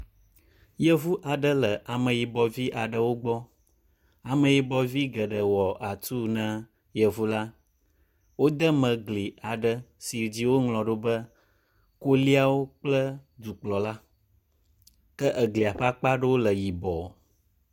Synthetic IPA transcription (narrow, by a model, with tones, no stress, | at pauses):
jə˦vu˦ʔa˨ɖə˦lə˨ʔa˨mə̃˨ji˨bɔ˨vi˦ʔa˨ɖə˨wo˦ɡ͡bɔ˦ | a˨mə̃˨ji˨bɔ˨vi˦ɡə˨ɖə˨wɔ˨a˨t̪u˦nã˦ | jə˨vu˦la˦ | wo˦d̪ə˦mə̃˨ɡli˨a˨ɖə˦si˨d͡ʑi˦wo˦ŋlɔ̃˨ɖo˦bə˦ | ko˦li˦a˦wo˦k͡plə˦d̪u˨k͡plɔ˨la˦ | kə˦ʔə˨ɡli˨a˨ɸa˦k͡pa˦ɖə˦wo˦lə˨ji˨bɔ˨